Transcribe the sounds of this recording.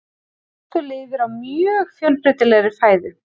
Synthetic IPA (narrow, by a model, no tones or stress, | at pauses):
a | t̪ʏlɪːvɪɾawmjœːɣfjœlpɾɪt̪ɪlɛɣɾɪfaːjðʏ